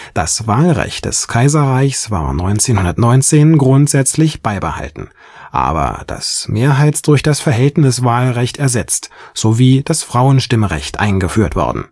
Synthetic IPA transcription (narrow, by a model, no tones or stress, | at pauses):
d̥a̰svaːlʁɛ̰çt̚d̥ɛ̰skʰaɪzɐʁaɪçsv̥a̰ːɐnɔʏnt͡seːnhʊndɐtnɔʏnt͡seːnɡʁʊntz̥ɛt͡slɪçb̥aɪbəha̰ltn̩ | ʔa̰ːbɐ̰d̥a̰smeːɐɦaɪtsd̥ʊɐçd̥asfɛɐɦɛltnɪsv̥aːlʁɛçtɛɐzɛt͡stz̥oviːd̥asfʁ̥aʊənʃtɪməʁɛ̰çtʔa̰ɪnɡəfyːɐtv̥ɔ̰ɐdn̩